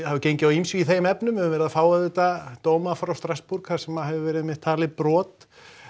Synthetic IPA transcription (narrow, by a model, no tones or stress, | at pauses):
havʏcejɲcɪawimsiiθejmɛpnʏmɛʏmvɛːɾɪðafaːwaðɛt̪at̪oːwmafɾawst̪ɾaspuɾkhaɾ̥sɛmːahɛvɪvɛːɾɪðmɪht̪ʰaːlɪpɾɔːt̪